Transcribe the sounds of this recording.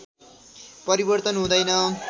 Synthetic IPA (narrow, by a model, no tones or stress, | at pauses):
pʌɾibʌrt̪ʌnɦũd̪ʌjnʌ